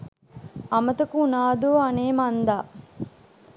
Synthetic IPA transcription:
ɐmɐt̪ɐkunaːd̪oːaneːmand̪aː

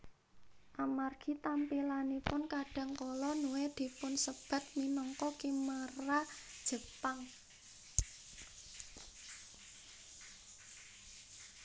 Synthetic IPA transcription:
ʔamarɡ̥i̤t̪ampilanipʊnkaɖ̥a̤ŋkɔlɔnuwed̪̥i̤pʊnsəb̥a̤t̪̚minɔŋkɔkimərad̥ʒ̥ə̤paŋ

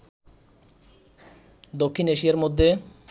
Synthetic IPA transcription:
d̪okʰːineʃijaɾmod̪ʱːe

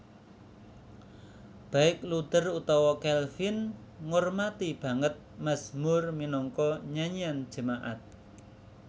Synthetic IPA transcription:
b̥a̤ɪk̚lut̪ərut̪ɔwɔkɛlfɪnŋormat̪ib̥a̤ŋət̪̚masmʊrminɔŋkɔɲaɲiand̥ʒ̥ə̤maʔa̰t̪̚

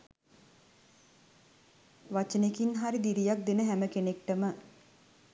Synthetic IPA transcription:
ʋat͡ʃənekinɦaɾid̪iɾijak̚d̪enəɦæməkenekʈəmə

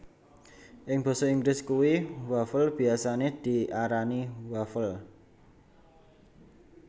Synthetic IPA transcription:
ʔɪŋb̥ɔ̤sɔiŋɡlɪskuwiwafəlb̥i̤asaned̪̥i̤ʔaɾaniwafəl

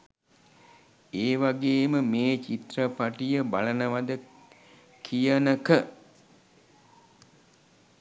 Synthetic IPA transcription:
eːʋaɡeːməmeːt͡ʃit̪rəpaʈijəbalənəʋad̪ə | kʰijənəkə

